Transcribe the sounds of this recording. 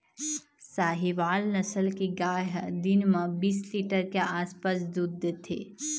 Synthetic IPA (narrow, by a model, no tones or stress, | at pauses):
saːɦiʋaːlnəsəlkiɡaːɦd̪ɪnmãbiːsliːʈəɾkeaːspas̬d̪ud̪ːət̪ʰḛː